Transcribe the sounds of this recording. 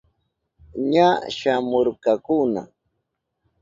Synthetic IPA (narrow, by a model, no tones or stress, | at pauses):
ɲaʃamoɾkakʊna̰